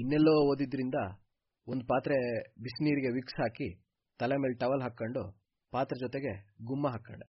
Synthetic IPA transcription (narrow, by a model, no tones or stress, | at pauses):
inːɛlːoːoːd̪id̪ːɾind̪ɐ | ond̪upaːt̪ɾebisniːɾiɡe̞ʋiksɦaːki | t̪ɐlemeːlʈɐʋɐlɦaːkːɐɳɖu | paːt̪ɾed͡ʒɔt̪eɡe̞ɡumːɐɦaːkːɐ̰ɳɖe